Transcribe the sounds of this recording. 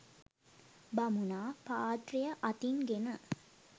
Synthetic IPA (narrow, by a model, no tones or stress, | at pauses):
bamunaːpaːt̪rijəʔat̪inɡenə